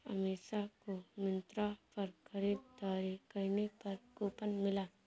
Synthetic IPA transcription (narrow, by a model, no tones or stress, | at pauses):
ɐ̰meːʃakomɪ̃nt̪ɾapɐɾxɐɾiːd̚t̪aːɾikɐɾnepɐɾkoːpənmɪlaː